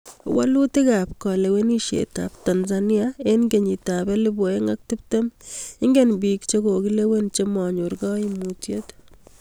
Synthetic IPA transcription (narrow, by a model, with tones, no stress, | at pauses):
wa̰˦lu˦ti˦kapkɔ˨le˨we˦ni˦ʃḛ˨ta̰˨p̚tanzani˦aenɡe˨ɲi˨tabɛ˦lɪ˦bo˨e˦ŋa˦k̚ti˦p̚te˦mɪ˦ŋɡe˦nbi˨kt͡ʃe˦ko˨ki˦le˦we˦nt͡ʃe˦mɔ˨ɲu˨ɾɡɔ˦i˦mutjet